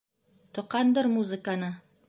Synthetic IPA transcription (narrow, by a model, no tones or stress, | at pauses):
t̪ŏqɑnd̪ɤɾmuzɨ̆kanɤ